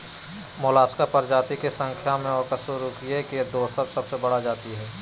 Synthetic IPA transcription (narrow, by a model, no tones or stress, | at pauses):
moːlaːskapɐɾd͡ʒaːt̪ikesə̃ŋkʰjamẽɔkɐsoɾukiekid̪oːsəɾsɐbsebɐɽad͡ʒaːt̪iɦɛː